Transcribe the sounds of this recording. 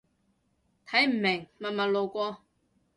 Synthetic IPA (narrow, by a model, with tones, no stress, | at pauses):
t̪ʰɐ˨˥jm̩˨˩me˨˩ŋmɐ˨mɐ˨˩lo˨˧wkʷɔː˧